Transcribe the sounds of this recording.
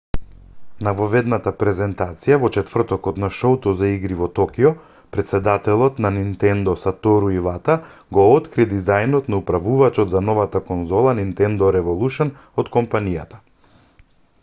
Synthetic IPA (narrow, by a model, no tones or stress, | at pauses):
navɔvɛd̪nat̪apɾɛzɛnt̪at̪sijavɔt͡ʃɛt̪vr̩t̪ɔkɔt̪naʃɔwt̪ɔzaiɡɾivɔt̪ɔkijɔ | pɾɛt̪sɛd̪at̪ɛlˠɔt̪nanint̪ɛnd̪ɔsat̪ɔɾuivat̪a | ɡɔɔt̪kɾid̪izajnɔt̪naupɾavuvat͡ʃɔd̪zanɔvat̪akɔnzɔlˠanint̪ɛnd̪ɔɾɛvɔlˠuʃɛn | ɔt̪kɔmpanijat̪ḁ